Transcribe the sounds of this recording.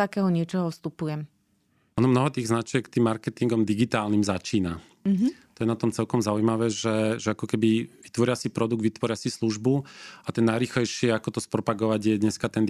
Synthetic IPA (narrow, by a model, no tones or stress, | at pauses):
akɛːɦɔɲɪɛt͡ʃɔɦɔfst̪upujɛm | ɔnɔmnɔɦɔt̪iːɣznat͡ʃɪɛkt̪iːmːaɾkɛt̪iŋɡɔmd̪iɡit̪aːlnimzat͡ʃiːna | t̪ɔjɛnat̪ɔmt͡sɛlkɔmzaujmaʋɛːʒɛʒɛakɔkɛbiʋi̥t̪ʋɔɾɪasipɾɔd̪uɡd̪ʋit̪ʋɔɾɪasisluʒbuat̪ɛnːajɾiːxlɛjʃɪɛakɔt̪ɔspɾɔpaɡɔʋaɟjɛd̪ɲɛskat̪ɛnd̪